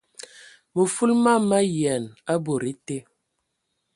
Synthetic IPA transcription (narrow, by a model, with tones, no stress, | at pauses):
mə˨fu˦lma˦ma˦jɛ˨na˦bo˨ɾi˦te˦